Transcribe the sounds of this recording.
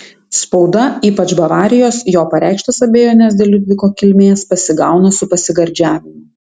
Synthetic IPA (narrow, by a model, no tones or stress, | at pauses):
spɒʊd̪ɐiːpɐt͡ʃbɐʋɑːɾʲɪjoːsjoːpɐɾʲʔæˑɪkʃt̪ɐsɐbʲeːjoːnʲɛsd̪ʲelʲʊd̪ʲʋʲɪkoːkʲɪlʲmʲeːspɐsʲɪɡɑˑʊnɐsʊpɐsʲɪɡɐɾʲd͡ʒʲæːʋʲɪmʊ